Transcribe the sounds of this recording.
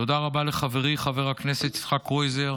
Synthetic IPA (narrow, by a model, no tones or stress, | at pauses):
tod̪aʁabaleχaveʁiχaveʁakneset̪i̥sχakʁojzeʁ